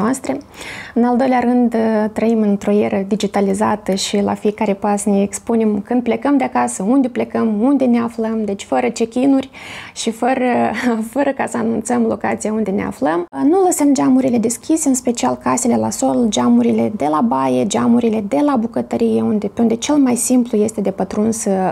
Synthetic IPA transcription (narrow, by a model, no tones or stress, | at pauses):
oast̪ɾe̞ɨnald̪o̞jleaɾɨnd̪t̪ɾəimɨnt̪ɾo̞je̞ɾəd̪id͡ʒit̪alizat̪əʃila̰fije̞kaɾe̞pasneekspune̞mkɨnd̪̚ple̞kəmd̪eakasəund̪e̞ple̞kəmund̪e̞ne̞afləmd̪e̞t͡ʃʲfəɾət͡ʃe̞kʲinurʲʃifəɾəfəɾəkasəanunt̪səmlo̞̰ka̰t̪sijaund̪e̞ne̞̰a̰fləmnuləsəmd͡ʒamuɾile̞d̪e̞skʲise̞ɨnspe̞t͡ʃialkase̞le̞laso̞ld͡ʒamuɾile̞d̪e̞labaje̞d͡ʒamuɾile̞d̪e̞labukət̪əɾije̞und̪epeund̪e̞t͡ʃe̞lmajsimpluje̞st̪e̞d̪e̞pət̪ɾunsə